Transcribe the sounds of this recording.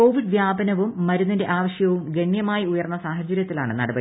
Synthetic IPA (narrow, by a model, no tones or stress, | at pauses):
ko̞ːʋiɖʋjaːbɐnɐʋumːɐɾunːɐnde̞ʔaːʋɐɕjɐʋumɡe̞ɳjɐmaːjiujɐrnːɐsaːɦɐt͡ɕːɐɾjɐt̪ːila̰ːɳɨnɐ̰ɽɐbɐi